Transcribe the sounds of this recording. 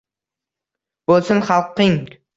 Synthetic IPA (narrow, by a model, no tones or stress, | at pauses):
b̥olˠsʊnχɑlˠqːiŋ